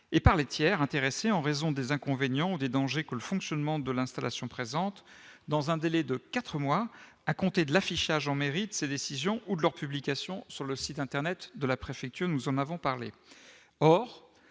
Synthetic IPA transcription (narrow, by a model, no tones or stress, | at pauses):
epaʁlet̪jɛʁɛ̃t̪eʁeseɑ̃ʁezɔ̃d̪ezɛ̃kɔ̃venjɑ̃ud̪ed̪ɑ̃ʒekələfɔ̃ksjɔnmɑ̃d̪əlɛ̃st̪alʔa̰sjɔ̃pχezɑ̃t̪d̪ɑ̃zɛ̃d̪elɛd̪əkat̪χəmwa | akɔ̃t̪ed̪əlafiʃaʒɑ̃meʁid̪əsed̪esizjɔ̃ʔud̪əlœʁpyblikʲasjɔ̃syʁləsit̪ɛ̃t̪ɛʁnɛt̪d̪əlapχefɛk̚t̪yʁnuzɑ̃navɔ̃paʁlḛ | ɔʁ